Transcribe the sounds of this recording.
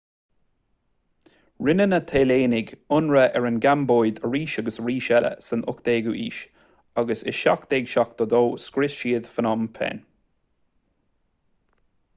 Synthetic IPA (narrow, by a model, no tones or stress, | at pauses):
ɹɪnənət̪ʰeːleːnɪɡʊnɹəʔɛɹənɡamboːjd̪əɹiːʃaɡəsɹiːʃɛlə̰sənʔʊ̰kd̪eːɡuʔḭːʃ | aɡəsɪ̰ʃakd̪̥eːɡʃak̚d̪̥ɔd̪oːskɾɪsʃiːd̪fənɔmpʰɛ̰n